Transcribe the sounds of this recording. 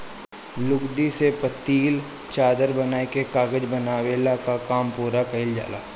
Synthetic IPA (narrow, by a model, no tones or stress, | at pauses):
lʊɡd̪isepət̪iːl | t͡ʃaːd̪əɾbɐnaːekekaːɡəd͡ʒbɐnaːwelakakaːmpuːɾakɐɦɪld͡ʒa̰ːla̰ː